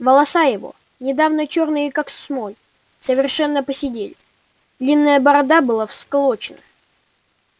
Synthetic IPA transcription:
vəlˠɐsajɪvo̞̰ | nʲɪd̪avnət͡ɕornɨjəkaksmojʲ | səvʲɪrʂɛnːəpəsʲɪdʲelʲɪ | d̪lʲinːəjəbəɾɐd̪abɨlˠafsklˠot͡ɕɪnə

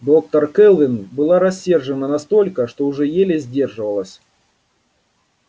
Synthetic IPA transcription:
d̪o̞k̚t̪ərkɛlˠvʲɪnbɨlˠaɾɐsʲːerʐɨnənɐst̪o̞lʲkəʂt̪oʊʐɛjelʲɪzʲdʲe̞rʐɨvəlˠəsʲ

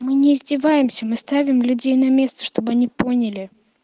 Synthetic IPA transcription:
mɨnʲɪːzʲdʲɪvajɪmsʲəmɨst̪avʲɪmlʲʉdʲejnɐmʲe̞st̪ə̥ʂt̪o̞bɨɐnʲipo̞nʲɪlʲɪ

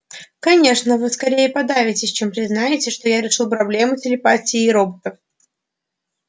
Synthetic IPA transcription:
kɐnʲe̞ʂnəvɨskɐɾʲejəpɐd̪avʲɪtʲɪsʲt͡ɕe̞mpɾʲɪznajɪtʲɪʂt̪o̞jaɾʲɪʂɨlˠpɾɐblʲe̞mʊtʲɪlʲɪpatʲɪːɾo̞bət̪əf

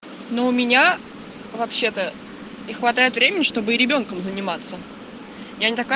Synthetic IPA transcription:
no̞ʊmʲɪnʲa | vɐpɕːe̞t̪ə | nʲɪxvɐt̪ajɪt̪vɾʲemʲɪnʲɪʂt̪o̞bɨɾʲɪbʲo̞nkəmzənʲɪmat̪sə | janʲɪt̪ɐka

